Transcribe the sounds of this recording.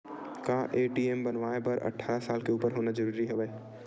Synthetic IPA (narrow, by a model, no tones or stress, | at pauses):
kãːʔeːʈiembənʋaːebəɾʔɐ̰ʈʰːaːɾasaːlkeuːpəɾɦoːnad͡ʒəɾuːɾiɦəʋɛː